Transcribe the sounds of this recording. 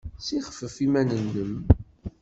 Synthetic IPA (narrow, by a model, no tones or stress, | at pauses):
siχə̥fəfimænənːəm